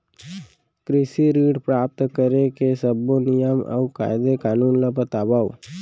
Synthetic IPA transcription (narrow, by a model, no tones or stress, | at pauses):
kɾɪsiɾiːɖpɾaːp̚t̪kəɾekesəbːonɪjəmə̰uka̰ːjɪd̪ekaːnuːnlabət̪aːbaːu